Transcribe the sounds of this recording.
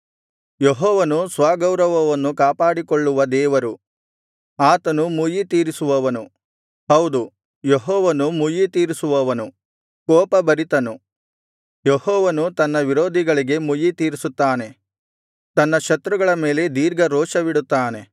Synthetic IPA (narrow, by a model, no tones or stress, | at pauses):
jeɦɔːʋɐnusʋaːɡɐwɾɐʋɐʋɐnːukaːpaːɽikoɭːuʋɐd̪ɛːʋɐɾu | aːt̪ɐnumujit̪iːɾisuʋɐʋɐnu | ɦɐwd̪u | jeɦɔːʋɐnumujit̪iːɾisuʋɐʋɐnu | kɔːpɐbɐɾit̪ɐnu | jehɔːʋɐnut̪ɐnːɐʋiɾoːd̪ʱiɡɐɭiɡe̞mujit̪iːɾisut̪ːaːne̞ | t̪ɐnːɐʃɐt̪ɾuɡɐɭɐme̞ːle̞d̪iːɾɡɐɾoːʃɐʋiɽut̪ːaːne̞